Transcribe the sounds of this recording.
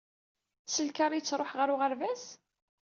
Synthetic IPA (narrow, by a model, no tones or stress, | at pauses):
səlkɑɾˤijt͡sːɾˤoħʁəɾʊʁəɾvæs